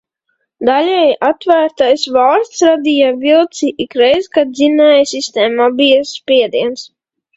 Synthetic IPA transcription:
d̪alʲɛjʔat̪væːɾt̪ajsvalˠɾst̪sɾad̪ijavilˠt̪siʔikɾɛjzkad̪zinɛjsist̪ɛːmabijaspʲiɛd̪iɛns

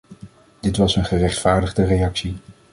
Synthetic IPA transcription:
d̥ɪtʋɑsənχərɛχtfaːɹdədərejɑksi

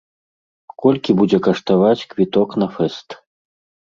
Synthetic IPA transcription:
kɔlʲkʲibud͡zʲɛkɐʂt̪avat͡sʲkvʲit̪ɔknɐfɛst̪

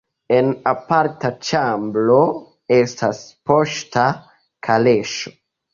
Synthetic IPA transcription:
enapaɾtat͡ʃamblo̞ | e̞staspo̞ʃta | kʰale̞ʃo̥

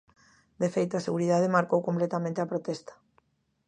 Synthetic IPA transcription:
d̪efejt̪oaseɣuɾiðaðemaɾkowkomplet̪amẽnt̪eapɾot̪ɛst̪ḁ

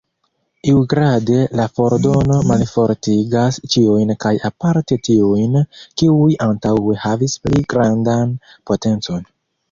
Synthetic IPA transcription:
iwɡɾade̞lafo̞ɾdo̞no̞malfo̞ɾtiɡast͡ʃiujnkajapaɾte̞tiujnkiujantawe̞havispliɡɾandan | po̞te̞nt͡so̞n

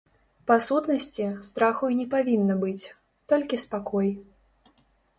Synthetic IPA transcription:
pasut̪nɐsʲt͡sʲist̪ɾaxujnʲɛpavʲinːɐbɨt͡sʲ | t̪ɔlʲkʲispakɔj

